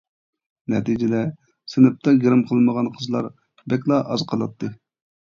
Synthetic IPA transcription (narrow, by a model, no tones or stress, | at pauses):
nɛ̰t̪ʰid͡ʒɪd̪ɛ | sɪnɪp̚t̪ʰɑɡʲeɾɨmqʰəlˠməʁɑnqʰəzlˠɑɾ | bɛk̬ʲlˠɑʔɑzqʰɑlˠɑp̚t̪ʰːɨ